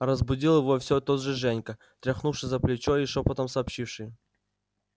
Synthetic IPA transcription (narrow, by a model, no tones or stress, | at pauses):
ɾəzbʊdʲilˠjɪvofsʲot̪od̪ʐɨʐɛnʲkə | t̪ɾʲɐxnufʂɨsʲzəplʲɪt͡ɕoɪʂopɐt̪əmsɐːpɕifʂɨj